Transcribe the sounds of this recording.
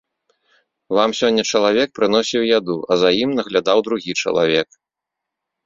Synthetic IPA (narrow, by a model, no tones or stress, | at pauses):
vamsʲɔnʲːɐt͡ʂɐlˠavʲɛk̚pɾɨnɔsʲiwjad̪uɐzajimnɐɣlʲad̪awd̪ɾuɣʲit͡ʂɐ̰lˠa̰vʲɛk